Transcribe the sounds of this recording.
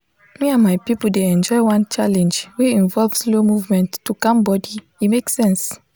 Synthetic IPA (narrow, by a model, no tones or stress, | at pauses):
miãmajpipul̩deɛ̃nd͡ʒɔjwãnt͡ʃalɛ̃nd͡ʒweĩnvɔlvslomuvmɛ̃ntːukãmbɔdi | imeksɛ̃ns